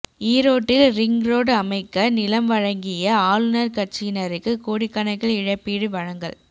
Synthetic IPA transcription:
iːɾoːʈːɪlɾɪŋɾoːɽɐmɐɪkːɐnɪlɐmʋɐɻɐŋɡɪjɐaːlɯnɐɾkɐʈ̚t͡ʃinɐɾɯkːɯkoːɽɪkːɐnɐɪɣɐɭɪɻɐpːiːɽɯʋɐɻɐŋɡɐ̰ɭ

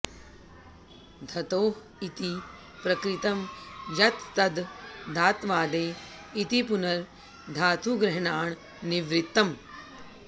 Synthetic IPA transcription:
d̪ʱɐt̪oːɦ | it̪i | pɾɐkɾit̪ɐmjɐt̪ːɐd̪d̪ʱaːt̪ʋaːd̪eː | it̪ipunɐɾ | d̪ʱaːt̪ʰuɡɾɐɦɳaːɳ | niʋɾɪt̪ːɐm

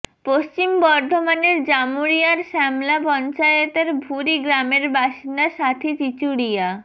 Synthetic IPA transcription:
post͡ɕimbɔɾd̪ʱomaneɾd͡ʑamuɾijaɾʃɛmlapɔnt͡ɕajet̪eɾbʱuɾiɡɾameɾbaʃind̪aʃat̪ʰit͡ɕit͡ɕuɽija

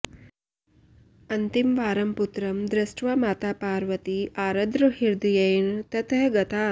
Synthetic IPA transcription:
ɐnt̪imʋaːɾɐmput̪ɾɐmd̪ɾɪsʈʋamaːt̪aːpaːɾʋɐt̪iʔaːɾɐd̪ɾɐɦiɾd̪ujɐjnt̪ɐt̪ʰɐɦɡɐt̪ʰaː

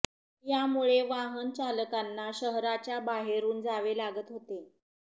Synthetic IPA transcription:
jamuɭeʋaɦənt͡ɕaləkanːaɕəɦɾat͡ɕjabaɦeɾuːnd͡zaʋelaɡət̪ɦot̪e

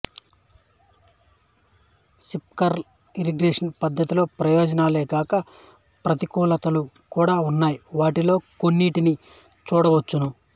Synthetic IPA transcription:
sip̚kɐɾ | iɾiɡɾeːʂɐnpɐd̪ʱːɐt̪ilo̞ːpɾɐjoːd͡ʒɐnaːleːɡaːkɐ | pɾɐt̪ikuːlɐt̪ɐlu | kuːɽaːunːaːjiʋaːʈilo̞ːkonːiːʈini | t͡ʃuːɽɐʋɐt͡ʃːunu

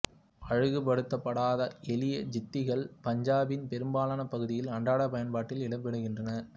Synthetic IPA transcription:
ɐɻɯɣɯpɐɽɯt̪ːɐpːɐɽaːðɐʔɛlɪjɐd͡ʒɪt̪ːɪɣɐɭpɐɲd͡ʒaːbɪnpɛɾɯmbaːlaːnɐpːɐɣɯðɪjɪlɐɳɖaːɽɐpɐjɐnpaːʈːɪlɪɽɐpːɛɽɯɣɪndrɐnɐɾ

